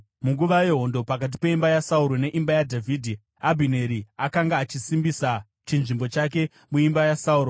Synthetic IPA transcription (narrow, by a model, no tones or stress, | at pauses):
muŋɡuʋaje̞ɦo̞ndo̞pak̬at̬i̥pe̞imbajasauɾo̞ne̞ʔimbajadʱavʱidʱi | abʱine̞ɾiakaŋɡaːt͡ʃisimbisa | t͡ʃinʐimbo̞t͡ʃak̬e̞ | muimbajasauːɾo